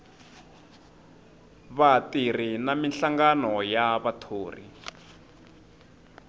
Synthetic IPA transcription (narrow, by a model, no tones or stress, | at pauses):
βatirinaminɬaŋɡanɔjaβatʰoːrḭ